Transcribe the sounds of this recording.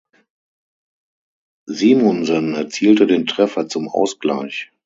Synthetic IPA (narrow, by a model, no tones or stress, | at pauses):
ziːmɔnzɔnɛɐt͡siːltədeːntʁ̥ɛfɐt͡sʊmʔa̰ʊsɡ̥la̰ɪç